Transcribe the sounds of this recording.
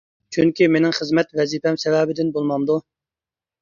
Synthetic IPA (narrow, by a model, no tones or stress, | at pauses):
t͡ʃʰyŋkʲimenɪŋχəzmɛt̪vɛzipɛmsɛvɛːbɪd̪ɪnbolˠmɑnd̪u